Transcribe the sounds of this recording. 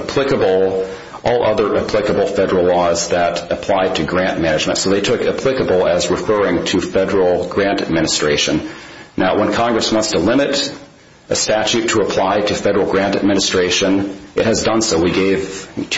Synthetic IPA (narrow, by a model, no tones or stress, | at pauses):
əpʰl̥ɪkəbl̩ˠ | ʔɔlˠʔʌðə˞ʔɨpʰl̥ɪkəbl̩ˠfɛɾə˞l̩ˠlɔzðɨɾɨpʰl̥aɪd̚tʰɨɡɹæ̃nmæñɨd͡ʒmɨ̃ntsoʊðeɪtʰʊkɨpʰl̥ɪkəbl̩ˠɨzɹɨfɜ˞ɪ̃ŋtʰɨfɛɾə˞l̩ˠɡɹæ̃ntɨd̚mɪ̃ñɨstɹ̥eɪʃɨ̃nnʔaʊwə̃nkʰɑ̃ŋɡɹɨswɑ̃ntstʰəlɪ̃mɨɾ | ʔɨstæt͡ʃʉtʰəːpʰl̥aɪɾɨfɛɾə˞l̩ˠɡɹæ̃ntɨd̚mɪ̃nɨstɹ̥eɪʃɨ̃nɨt̚hɨzdʌ̃nsoʊwiɡeɪv̥tʰ